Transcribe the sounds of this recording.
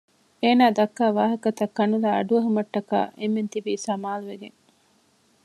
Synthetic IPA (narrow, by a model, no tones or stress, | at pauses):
eːnaːd̪ɐkːaːʋaːɦɐkɐt̪ɐkːɐnulaːɐ̰ɖuɐɦumɐʈːɐka̰ːʔemːent̪ibiːsɐmaːluʋeɡḛŋ